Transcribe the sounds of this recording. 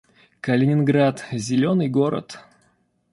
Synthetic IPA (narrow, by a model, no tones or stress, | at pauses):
kəlʲɪnʲɪnɡɾat̪zʲɪlʲo̞nɨjɡoɾə̰t̪